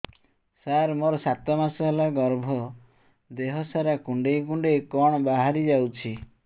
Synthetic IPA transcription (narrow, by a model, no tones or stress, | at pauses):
saɾmoɾɔsat̪ɔmasɔɦelaɡɔɾbʱɔ | d̪eɦɔsaɾakuɳɖejkuɳɖejkɔɽ̃ɔbaɦaɾid͡ʒawt͡ʃʰi